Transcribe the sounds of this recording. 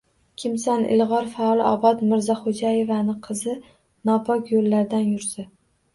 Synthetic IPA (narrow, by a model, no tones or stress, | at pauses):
kʲʰɪmsanʔɪ̰lʁɒɾfaɒlˠɒbɒt̪mɪɾzɒχod͡ʒajevanɪqʰɨzɪ | nɒpʰɒkʲjolːaɾd̪anjʊɾsɪ